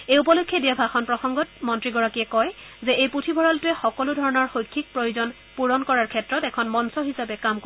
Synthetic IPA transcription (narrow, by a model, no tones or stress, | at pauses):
ejupɔlojkʰːjɛdiabʱaxɔnpɹɔxɔŋɡɔt̚mɔntɹiɡɔɹakiɛkɔj | zɛʔejputʰibʱɔɹaltʊɛxɔkɔlʊdʱɔɹɔnɔɹxojkʰːik̚pɹojuzɔn | puɹɔnkɔɹaɹkʰɛtɹɔtɛkʰɔnmɔnsɔɦisapɛkamko